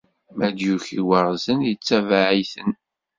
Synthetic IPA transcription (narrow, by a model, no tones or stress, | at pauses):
mæd̪juçiwəɾˤzənjət͡sːævaʕiθən